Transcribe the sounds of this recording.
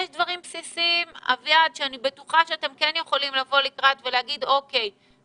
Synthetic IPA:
jɛʃdvaʁimpsisima̰vjad̪ʃeanibe̞tuχaʃeatemkenjeχo̞limlavo̞likʁatve̞leaɡid̪o̞ke̞j

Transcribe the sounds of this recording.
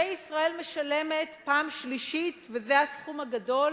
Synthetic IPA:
ejisʁae̞lme̞ʃale̞me̞t̪paːmʃliʃitvezeasχumaɡado̞l

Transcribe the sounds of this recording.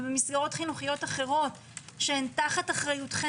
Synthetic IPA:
bemisɡaʁo̞t̪χinuχijo̞taχe̞ʁo̞t | ʃeentaχataχʁajutχe

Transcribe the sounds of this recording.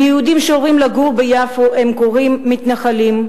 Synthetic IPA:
jɛhud̪imʃeoʁimlaɡuʁbejafoe̞mkoʁimːit̪naχalim

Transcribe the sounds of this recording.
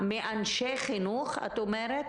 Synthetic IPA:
meʔanʃeχinuχa̰t̪omeɾet̪

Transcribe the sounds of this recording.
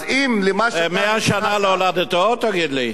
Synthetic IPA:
imlemaʃmeaʃanaleolad̪et̪ot̪aɡid̪li

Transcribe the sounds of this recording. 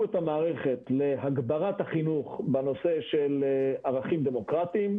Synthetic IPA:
et̪amaːʁeχet̪le̞ɦaɡbaʁat̪haχinuχbeno̞se̞ʃelaʁaχimd̪emo̞kʁat̪iim

